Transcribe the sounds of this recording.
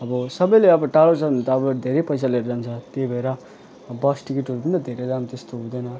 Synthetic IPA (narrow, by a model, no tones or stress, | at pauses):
ʌbʌsʌbʌjleʌbʌʈalot͡sʰʌʌnt̪aːbʌd̪ʱeɾepʌjsaleɾd͡zant͡sʰʌt̪ebʱʌeɾʌ | bʌsʈikeʈɦoɾup̬ʌnd̪ad̪ʱeɾed̪amt̪est̪oɦũd̪ʌjnʌ